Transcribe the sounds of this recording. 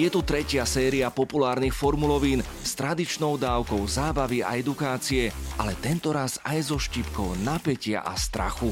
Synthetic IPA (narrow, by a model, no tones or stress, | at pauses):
jɛt̪ut̪ɾɛcɪasɛːɾiapɔpulaːɾnixfɔɾmulɔʋiːn | st̪ɾad̪it͡ʃnɔʊd̪aːʊkɔʊzaːbaʋia̰ɛd̪ukaːt͡siɛʔalɛt̪ɛnt̪ɔɾazajzɔʃciːpkɔʊnapɛcɪa̰ʔa̰st̪ɾa̰xu